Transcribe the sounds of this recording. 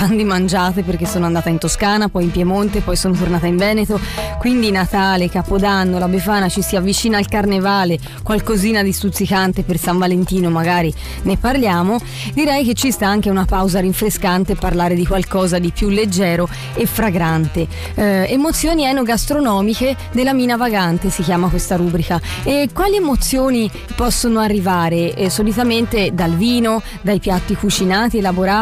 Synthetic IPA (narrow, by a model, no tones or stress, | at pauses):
and̪imand͡ʒaːt̪eperkesːoːnoand̪aːt̪aint̪oskaːnapɔjimpjɛmont̪epɔjsoːnot̪ornaːt̪aiɱvɛːnet̪okwind̪inat̪aːlekapod̪anːolabefaːnat͡ʃisiavːit͡ʃiːnaːlkarnevaːle | kkwalkoziːnad̪ist̪ut̪sikant̪epersaɱvalent̪iːnomaɡaːɾi | neparljaːmo | d̪iɾɛjk̟et͡ʃːist̪aaŋk̟eunapawzaɾiɱfɾeskant̪epːarlaːɾed̪ikwalkɔːzad̪ipjulːed͡ʒːɛːɾo | efːɾaɡɾant̪e | emot̪sːjoːniɛnːoɡast̪ɾonɔːmike | d̪elːamiːnavaɡant̪esikjaːmakwest̪aɾubɾikaɛkːwaːliemot̪sjoːni | pɔsːonoarːivaːɾesolit̪ament̪ed̪alviːno | d̪ajpjat̪ːikut͡ʃinaːt̪ielaboɾa